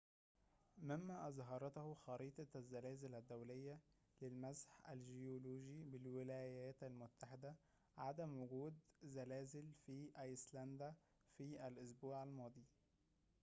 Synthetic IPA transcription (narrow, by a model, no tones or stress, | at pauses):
mɪmːæʔɑzɦɑɾˤɑt̪hʊxɑɾiːt̪ˤɑæzːælæːzɪlæd̪ːæwlejːæ | lɪlmæsħʔæ̰lʒejoloːʒibɪlwɪlæːjæːt̪ælmʊt̪ːaħɪd̪æ | ʕad̪æmwʊɡuːd̪zælæːzɪlfiʔɑjslænd̪æ | fiːʔælʔʊs̬buːʕalmɑːd̪ˤiː